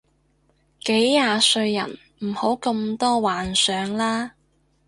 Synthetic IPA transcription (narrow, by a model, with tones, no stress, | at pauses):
ke˨˥jːaː˧sɵ˧ɥjɐ̰˨˩n | m̩˨˩ho˨˥wkɐ˧mt̪ɔː˥waː˨nsœː˨˧ŋlaː˥